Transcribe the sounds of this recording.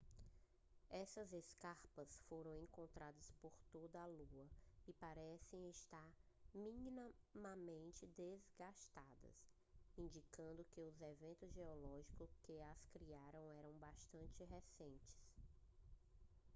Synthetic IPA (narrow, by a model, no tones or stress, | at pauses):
ɛsɐzeskaɾpɐsfoɾɐ̃w̃ẽkõnt̪ɾad̪ɐspoɾt̪od̪ɐːluɐɪpaɾɛsẽj̃ɪst̪aɾ | mĩninmɐmẽnt͡ʃɪd̪ezɡaʃt̪ad̪ɐ̰s | ĩd͡ʒikɐ̃nd̪ʊkɪʊzevẽnt̪ʊzʒeɔlɔʒikʊkɪɐskɾiaɾɐ̃w̃ɛɾɐ̃w̃baʃt̪ɐ̃nt͡ʃɪɦesẽnt͡ʃɪ̥s